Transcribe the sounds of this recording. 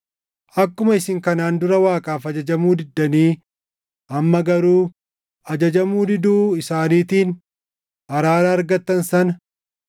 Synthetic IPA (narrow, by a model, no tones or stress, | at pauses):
ʔɐkːʊmɐɪsɪŋkɐnaːnd̪ʊɾɐwaːkʼaːfɐd͡ʒɐd͡ʒɐmuːd̪ɪd̪ːɐniː | ʔɐmːɐɡɐɾuː | ʔɐd͡ʒɐd͡ʒɐmuːd̪ɪd̪uːɪsaːniːt̪iːn | ɐɾaːɾɐɐɾɡɐt̪ːɐnsɐnɐ